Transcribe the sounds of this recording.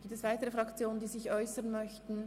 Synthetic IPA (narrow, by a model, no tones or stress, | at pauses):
ɡiːp̚tɛsv̥aɪtəʁəfʁɑkt͡sjoːnəndiːzɪçʔɔʏsənmœçtn̩